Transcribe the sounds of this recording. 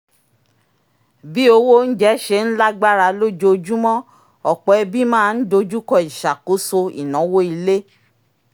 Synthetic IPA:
bi˦o˧wo˦n̩˦d͡ʒɛ˦ʃe˧˦n̩˦la˦ɡ͡ba˦ɾa˧lo˦d͡ʒo˧d͡ʒu˦mɔ̃˦ | ɔ˨k͡pɔ˨ɛ˧bi˦mãː˦˧n̩˦do˧d͡ʒu˦kɔ˦˨i˨ʃa˨ko˨˦so˧ḭ˨nɔ̃˨˦wo˦i˧le˦

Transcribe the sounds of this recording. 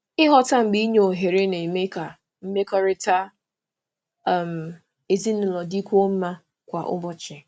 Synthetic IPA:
ɪ˦ɦɔ˦ta˦ŋ͡m̩˨ɡ͡bi˦ɲ˦o˨ɦe˨ɾe˦ne˨me˦ka˨ | m̩˦me˦kɔ˦ɾɪ˦ta˦˨ | m̩˨ | e˨zi˦nʊ˨lɔ˨di˦kʷu˦o˦m̩˦ma˦ | kʷa˨ʔʊ̰˦bɔ˦t͡ʃɪ˨

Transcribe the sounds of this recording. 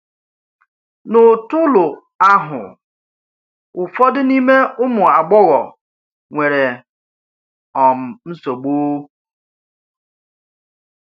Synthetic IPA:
nʊ˨tʊ˦lʊ˨ | a˦ɦʊ̰˨ | ʊ˨fɔ˦dɪ˦ni˦me˦ʊ˦mʊ˨a˨ɡ͡bɔ˦ɣɔ̰˨ | ŋʷe˨ɾe˨ | ɔ˨m̩˨n̩˦so˨ɡ͡boː˦

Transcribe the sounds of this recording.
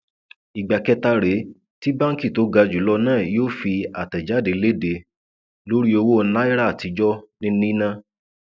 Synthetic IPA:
i˨ɡ͡ba˨kɛ˧˦ta˧ɾe˨˦ | ti˦bã˦ŋ̩˦ki˦˨to˨˦ɡa˧d͡ʒu˨˦lɔ˧nãː˦˨joː˦˨fi˧a˨tɛ˨d͡ʒa˨˦de˨˦le˦˨de˧˦ | lo˦ɾi˦o˧wo˦˧˦na˦i˦ɾa˦a˨ti˧d͡ʒɔ˦nĩ˦nĩ˦nã˦

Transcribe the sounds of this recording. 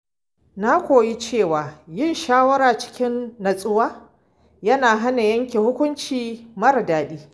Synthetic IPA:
na˦kʷoː˨ji˦t͡ʃeː˦˨waː˨jɪ˦˨nʃaː˦wɐ˦ɾaː˨t͡ʃɪ̥˦kʲɪ˦nːɐ˨sʼʊ˦waː˦ | jɐ˦naː˨ɦa˦na˨jɐ˦ŋkʲe˨hʊ˦kʷʊ˦nt͡ʃiː˨mɐ˦ɾdaː˨ɗiː˦

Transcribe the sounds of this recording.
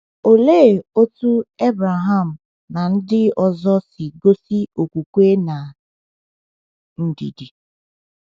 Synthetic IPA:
o˨leː˦˨o˦tu˦e˦bɾa˨ɦa˦˨m̩˨ | na˨n̩˦dɪ˦ɔ˨zɔ˦sɪ˨ɡo˦si˦o˨kʷu˨kʷe˦na˨ | n̩˦dḭ˨di˨

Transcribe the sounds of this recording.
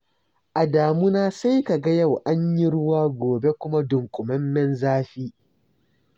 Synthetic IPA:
ʔa˨daː˨mʊ˦naː˦sa˦jka˨ɡa˦ja˦˨wʔa˦ɲji˦ɽʊ˦waː˦ɡʷoː˨be˦kʷʊ˦ma˦dʊ˨ŋkʷʼʊ˨mɐ˦mːɛ˦nzaː˦ɸiː˦

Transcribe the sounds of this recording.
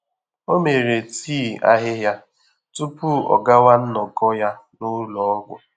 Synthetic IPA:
o˦me˨ɾe˨tiː˦˨a̰˦ɦɪ˦ɦja˦ | tu˦pu˦ɔ̰˨ɡa˦wa˦n̩˦nɔ˨ɡɔ˦ja˦nʊ˦lɔ˨ɔ˦ɡʷʊ̰˨

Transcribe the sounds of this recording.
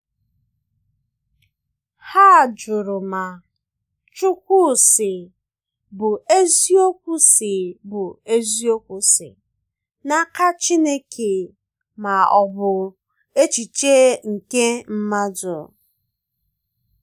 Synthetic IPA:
ha˦˨d͡ʒʊ˨ɾʊ˨ma˨ | t͡ʃʊ˦kʷu˦˨sɪ˨ | bʊ˨e˦zi˦o˦kʷu˦sɪ˨bʊ˨e˦zi˦o˦kʷu˨sɪ̰˨ | na˦ka˦t͡ʃi˦ne˦kʰe˨ | ma˨ɔ˨bʊ˨ | e˦t͡ʃi˨t͡ʃe˦ŋ̩˨ke˦m̩˦ma˦d͡ʒʊ˨

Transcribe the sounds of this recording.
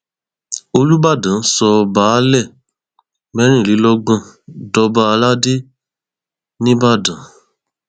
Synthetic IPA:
o˧lu˦ba˦˨dã˨˦sɔ˧baː˨˦lɛ˦˨ | mɛ˦ñĩ˦˨li˨˦lɔ˦ɡ͡bɔ̃˦˨dɔ˧ba˧˦a˧la˦de˦ | nĩ˦ba˦˨dã˨˦

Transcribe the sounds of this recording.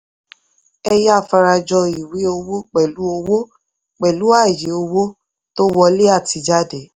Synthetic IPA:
ɛ˧jfa˧ɾa˧d͡ʒɔ˧i˨wi˨˦o˧wo˦k͡pɛ˨lu˨˦o˧wo˦ | k͡pɛ˨lu˨˦a˦˨je˨˦o˧wo˦ | to˦wɔ˧le˦a˦˨ti˧d͡ʒa˦de˨˦

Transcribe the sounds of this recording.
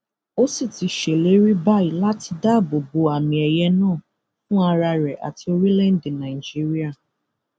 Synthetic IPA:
o˦si˦˨ti˧ʃe˨le˨˦ɾi˦ba˦i˨la˦ti˧da˦˨bo˨bo˨a˨mĩ˨ɛ˨jɛ˦nãː˦˨ | fʊ̃˦a˧ɾa˧ɾɛ˨ʔa̰˨ti˦o˦ɾi˦lɛ˦n̩˦dĩ˨na˨d͡ʒi˦ɾi˦a˦˨

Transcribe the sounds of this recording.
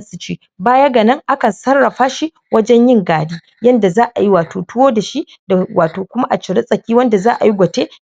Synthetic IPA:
ɐ˦nsʼɪ˨t͡ʃeː˦ | baː˦jɐ˦ɡa˨nɐ˦ŋʔa˦kɐ˨nsɐ˦rːɐ˨ɸaː˦ʃi˦ | wʔɐ˦d͡ʒɛ˦ɲjɪ˦ŋɡaː˨diː˦ | jɐ˦nda˨zaː˦ʔa˨ji˦waː˨toː˨tʊ˦woː˦da˨ʃi˦ | da˨waː˨toː˨kʷʊ˦ma˦ʔa˨t͡ʃɪ˨ɽɪ˦sʼɐ˨kʲiː˦wɐ˦nda˨zaː˦ʔa̰˨ji˦ɡʷɐ˨teː˦

